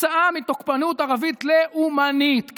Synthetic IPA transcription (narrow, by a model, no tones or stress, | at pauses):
aʔamit̪okpanut̪aʁavit̪leʔumanit̪k